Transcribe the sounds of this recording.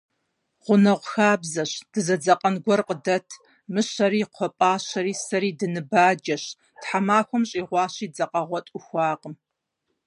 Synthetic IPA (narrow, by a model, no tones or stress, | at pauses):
ʁʷʊnɐʁʷxaːbzɐɕd̥ɨzɐd͡zɐqʼɐnɡʷɔrqədɐtʰ | mɨɕɐɾiːqʷʰɔpʼaːɕɐɾiːsɐɾiːdɨnɨbaːd͡ʒɐɕ | tħamaːxʷɔmɕʼiːʁʷɑːɕiːd͡zɐqʼɐʁʷɔtʼʊxʷɑːqəm